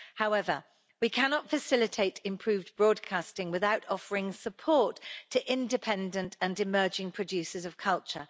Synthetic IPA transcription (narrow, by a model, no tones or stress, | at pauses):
haʊɛvə̰ | wikʰanɒtfəsɪlɪtʰeɪtʰɪ̃mpʰɹ̥ʉːvbɹɔːd̚kʰastɪ̃ŋwɪðaʊtʰɒfəɹɪ̃ŋsəpʰɔˑtʰəʔɪ̃ndɪpʰɛ̃ndə̃ntʰə̃nɪmɜːd͡ʒɪ̃ŋpʰɹ̥əd͡ʒʉˑsɪzəv̥kʰʌlˠt͡ʃə̰